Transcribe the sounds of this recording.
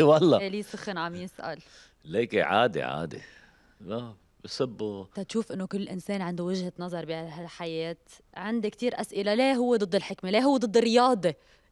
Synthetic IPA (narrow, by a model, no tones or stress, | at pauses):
wɑlˤːɑeliːsʊxɪnʕamjɪsʔa̰l | leːkeʕa̰ːd̪ḛʕa̰ːd̪ḛ | la | bɪsɪbːut̪ɑt̪ʃuːfʔɪnːokɪlːʔɪnseːnʕɪnd̪uwɪʒhanɑzˤɑɾˤbiɦalħajeːt̪ | ʕɪnd̪ikt̪iːɾʔasʔɪlaleːɦʊwːed̪ˤɨd̪ˤːɪlħɪkmeleːɦʊwːed̪ˤɨd̪ːɪrːɪjɑːd̪ˤe